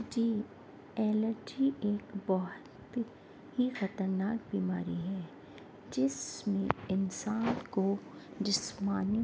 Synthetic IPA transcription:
d͡ʒiː | ɛːləɾd͡ʒieːkbɔɦʊt̪ | hixɐt̪əɾnaːk̚biːmaːɾiɦɛː | d͡ʒɪsmẽɪnsaːnkoɖɪsmaːni

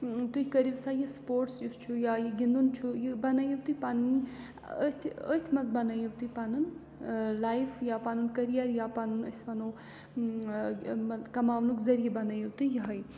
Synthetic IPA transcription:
t̪uhʲkɐɾiʋsaːjispoːɾʈsjust͡ʃʰujaːjiɡʲind̪unt͡ʃʰujibɐnajiwt̪upanɨn | ət̪ʲʰət̪ʰʲmɐnzbɐnajiwt̪upanɨn | laːjfjaːpanunkɐɾijɐɾjaːpanunəsʲʋɐno | ɐkɐmaːʋnukʲzɐɾijebɐnɐjiwt̪ujiɦɐj

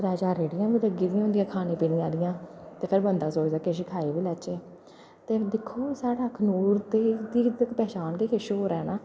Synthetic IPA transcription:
ɾaːd͡ʒaːɾeːɽɪjãːbiːləɡiːd̪ɪjãːʊ̃ːnd̪ɪjãːkʰaːnẽːpiːnĩːãːd̪ɪjãːt̪eːpʰɪɾbənd̪aːsoːd͡ʒd̪aːkeːʃ̬ɪkʰaːiːʋiːlɛːt͡ʃeː | t̪eːd̪ɪkʰːoːsaːɽaːkʰənuːɾt̪eːd̪iːkpɛːt͡ʃaːnkeːkʰeːʃoːoːɾɛːnaː

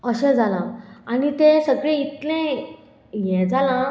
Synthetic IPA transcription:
əɕɛ̃d͡zalãanit̪esəɡɭẽit̪lẽ | jɛ̃d͡zala

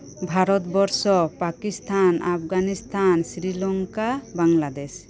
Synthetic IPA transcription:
bʱaɾɔt̪bɔɾsɔpakist̪ʰanap̚ʰɡanist̪ʰansɾilɔŋkabaŋlad̪ɛs

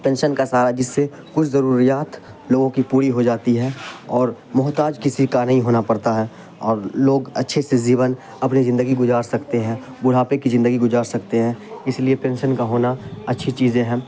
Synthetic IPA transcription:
pẽːnʃənkasaːɾaɦɛd͡ʒɪsːe | kʊt͡ʃʰzɐɾuːɾijaːt̪ | loːɡõkipuːɾiɦod͡ʒaːt̪iɦɛːɔːɾ | mʊɦt̪aːd͡ʒkɪsikanɐɦĩɦoːnapɐɾt̪aɦɛː | ɔːɾloːɡɐtːʃʰeseziːʋən | ɐpnizɪ̃nd̪əɡiɡʊzaːɾsɐkt̪eɦɛ̃ː | bʊɽ̤aːpekizɪ̃nd̪əɡiɡʊzaːɾsɐkt̪eɦɛ̃ːɪsliepẽːnʃənkaɦoːnaɐtːʃʰit͡ʃiːzẽɦɛ̃ː

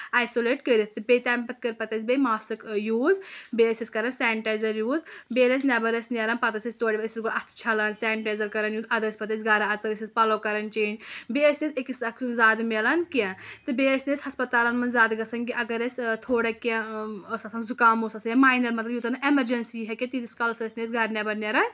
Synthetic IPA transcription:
aːjsoːleːʈkəɾit̪t̪ɨbet̪ʲaːmpɐt̪̚kəɾpɐt̪ɐsʲbemaːsɨkjuːzbeːəsiskɐɾɐnsaːɳʈaːjzɐɾjuːzbeːles̬nʲɐbɐɾɐsneɾɐnpɐt̪ɐsʲisʲt̪oːɽiʋɐsisɡoɐt̪ʰt͡ʃʰɐlansaːɳʈaːjzɐɾkɐɾɐnjuːd̪ɐd̪ɐsʲpɐt̪ɐsɡɐːɾaɐt͡sɐnəsʲispɐlokɐɾɐnt͡ʃẽːd͡ʒbeːəsnesʲekisɐksunzaːd̪melɐnkãt̪ɨbeːəsnesʲhɐspɐt̪aːlɐnmɐnzaːd̪ɡɐsɐnkiʔɐɡɐɾesʲt̪ʰoːɽɐkãɐsɐsɐnzukaːmoːsɐsɐnjɐmaːjnɐɾmɐt̪lɐbjut̪ɐnɨʔemɐɾd͡ʒɐnsiɦɛket̪it̪iskɐlsɐɐsʲnesɡɐɾnʲɐbɐɾnʲeɾɐn

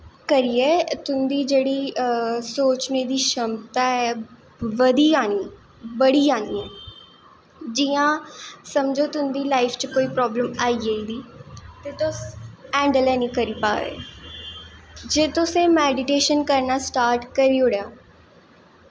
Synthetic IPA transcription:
kəɾiːɛːt̪ʊnd̪iːd͡ʒeːɽiːsoːt͡ʃneːd̪iːʃəmt̪aːɛː | ʋəd̪iːaːniː | bəɽiːaːnḭːɛː | d͡ʒiːãːsəmd͡ʒoːt̪ʊnd̪iːlaːifʰt͡ʃəkoːiːpɾɔːbləmaːiːeid̪iːt̪eːt̪ʊsɛ̃ːɳɖəlɛːnĩːkəɾiːpa̰ːʋḛː | d͡ʒeːt̪ʊsẽːmɛːɖɪʈeːʃənkəɾnaːsʈaːɾʈkəɾiːʊɽjaː

